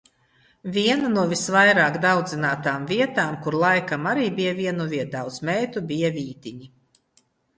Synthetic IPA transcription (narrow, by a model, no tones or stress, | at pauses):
vʲiɛnanuɔvʲisvajɾaːkd̪awd̪zinaːt̪aːmviɛt̪aːmkuɾlˠajkamaɾiːbijavʲiɛnuvʲiɛd̪awt̪smɛjt̪ubʲijaviːt̪ʲiɲi